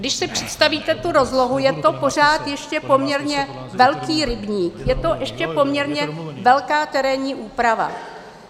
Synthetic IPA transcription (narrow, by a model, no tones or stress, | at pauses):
dɪʃsɪpr̝̥ɛt̪st̪aviːt̪ɛt̪uɾo̞zlo̞ɦujɛt̪o̞po̞r̝aːt̪jɛʃcɛpo̞mɲɛɾɲɛ | vɛlkiːɾɪbɲiːkjɛt̪o̞ʔɛʃcɛpo̞mɲɛɾɲɛvɛlkaːt̪ɛɾɛɲiːʔuːpɾava̰